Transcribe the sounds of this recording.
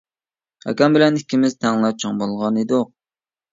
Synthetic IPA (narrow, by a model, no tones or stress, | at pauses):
hɛ̰kʲɑmbɪlɛnikʲʰːimɪzt̪ʰæŋllˠɑp̚t͡ʃʰɑŋbolˠʁɑned̪ʊq